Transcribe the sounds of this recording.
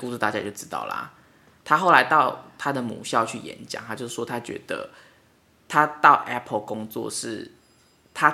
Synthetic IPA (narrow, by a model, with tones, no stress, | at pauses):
ku˥˧su˥˩t̪a˥˧t͡ɕja˦t͡ɕjo˥˩ʊʈ͡ʂɻ̩˦˥t̪ɑ̰˥˩ʊlɐ̰˨˩ | t̪ʰa˥xo˥˩ʊla˧˦ɪt̪ɑ˥˨ʊt̪ʰa˦d̪ə˨mṵ˨˩ɕjɑ˥˧ʊt͡ɕʰy˥˩jɛ̰˧˦nt͡ɕja̰˨˦ŋt̪a˥t͡ɕjo˥˧ʊʂɻ̩˥˩ʂwɔ˥t̪ʰa˦˥t͡ɕɥɛ̰˧˥d̪̥ə̰˧ | t̪ʰa˦t̪ɑ˥˩ʊʔɛ˦˥pʰə˨kʊ˦ŋt͡swɔ̰˥˧ʂɻ̩˥˩ | t̪ʰa˦